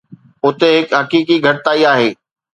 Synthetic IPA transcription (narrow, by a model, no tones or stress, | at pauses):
ʊt̪eɦɪkɦɐkiːkiɡʱɐʈɪt̪aːiaːɦeː